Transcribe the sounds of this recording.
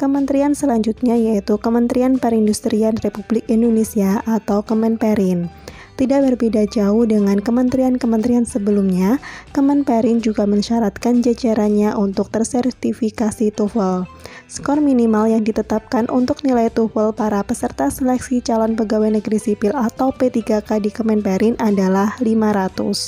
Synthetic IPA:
kəmənt̪ɾiansəlaɲd͡ʒut̪̚ɲajait̪ukəmənt̪ɾianpəɾindust̪ɾianrepublɪkindonesiaʔat̪awkəmɛnpɛɾɪn | t̪idaʔ̚bərbidad͡ʒaʊhdəŋankəmənt̪ɾiankəmənt̪ɾiansəbəlumɲakəmɛnpɛɾɪnd͡ʒuɡaməɲʃaɾat̪̚kand͡ʒad͡ʒaɾaɲaʔunt̪ʊk̚t̪ərsɛrt̪ifikasit̪ufəl | skɔrminimaljaŋdit̪ət̪ap̚kanʔṵnt̪ʊk̚nilajt̪ufəlpaɾapəsərt̪asəlɛksit͡ʃalɔnpəɡawajnəɡɾisipɪlat̪awpet̪iɡakadikəmɛnpɛɾɪnʔadalahlimaɾat̪ṵs

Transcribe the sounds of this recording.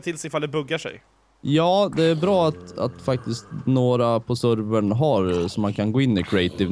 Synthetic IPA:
t̪ʰɪlsɪfald̪ɛbɵɡːaʂɛ̰j | jɑːd̪ɛæɾbɾɑːat̪a̰t̪fak̚t̪ɪst̪noːɾapʰɔsɵɾvəɳɦaɾsɔmːankʰanɡoːɪnːɪkʰɾɪɛɪt̪ɪv

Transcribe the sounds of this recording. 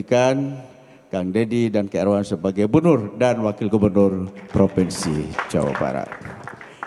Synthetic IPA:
ikan | kaŋdedidankəɛrɾwansəbaɡajbənʊrdanwakɪlɡubərnʊrpɾopɛnsid͡ʒa̰wa̰ba̰ɾa̰t̪̚

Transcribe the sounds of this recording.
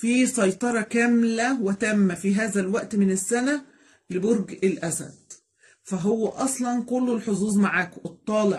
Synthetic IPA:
fiːsɑjt̪ˤɑɾˤɑkæmlæwɪt̪æmːæfiɦæːzælwæʔt̪mɪnæsːænæ | lɪboɾɡɪlʔæsæ̰d̪̥̚ | fæɦowːæʔɑsˤlɑnkʊlːelħozuːzˤmaʕaːkʔɨt̪ˤːɑːlɪʕ

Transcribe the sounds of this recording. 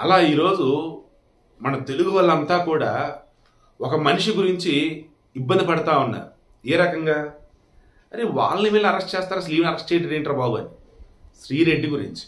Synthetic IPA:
ɐ̰laːiːɾo̞ːd͡ʒu | mɐnɐmt̪e̞luɡuʋɐlːɐnt̪aːkuːɽaː | ɔkɐmɐniʂiɡuɾiɲt͡ʃiː | bːɐnd̪ipɐɽɐt̪aːunːa̰ː | eːɾɐkɐŋɡaː | ɐɾiʋa̰ːlɐniʋɛːɭlɐɐɾɐsʈt͡ʃɛːst̪aːɾɐsɐliːʋnɐɾɐsʈt͡ʃeːʈɐɾeːɳʈɾɐbaːbuɐni | ʃɾiːɾeɖːiɡuɾḭɲt͡ʃi̥

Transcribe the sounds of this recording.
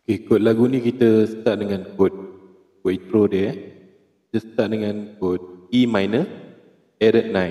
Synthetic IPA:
okekʊt̪̚laɡunĩkit̪əsə̥t̪aʔ̚dəŋãnkʊt̪̚ | kʊʔ̚int̪ɾodə | kit̪əsə̥t̪aʔ̚dəŋãnkʊt̪̚imajnə | ɛɾəʔ̪̚nãj

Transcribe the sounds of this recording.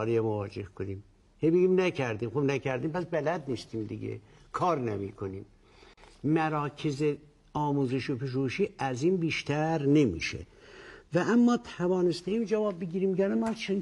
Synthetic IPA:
ɾijɑmovɒːd͡ʒehkʰonim | hejbeɡimnæcʰæɾd̪iːmxobnækʰæɾd̪iːmpæsbælæd̪̚nist̪ʰimd̪iɟḛ | kʰɑːɾnemḭːkʰoniːm | mæɾɑːkʰeze | ɒːmuːzeʃopʰeʃ̬uʃiːæziːnbiːʃt̪ʰæɾne̞mḭːʃḛ | væʔæmːɑːt̪ʰævɑːnest̪eiːmd͡ʒævɑːb̚ːeɟiːɾiːmjæːnæmænt͡ʃʰen

